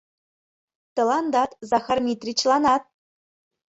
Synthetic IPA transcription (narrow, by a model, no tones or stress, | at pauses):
t̪ɤ̆lˠɑnd̪ɑt̪zɑxɑrmʲit̪rʲit͡ɕlˠɑnɑt̪̚